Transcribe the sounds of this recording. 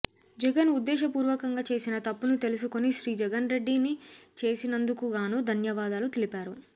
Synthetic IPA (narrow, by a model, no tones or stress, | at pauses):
d͡ʒɛɡɐnud̪ːɛːʃɐpuːɾʋɐkɐŋɡaːt͡ʃeːsinɐt̪ɐpːunit̪elusukoniʃɾiːd͡ʒɛɡɐnɾe̞ɖːinit͡ʃe̞ːsinɐnd̪ukuɡaːnuːd̪ʱɐnjɐʋaːd̪aːlut̪ilipaːɾu